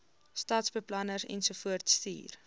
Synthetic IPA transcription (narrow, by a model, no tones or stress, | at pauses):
stɑːtsbəplɐnəɾɛ̰nsufuərtstḭːr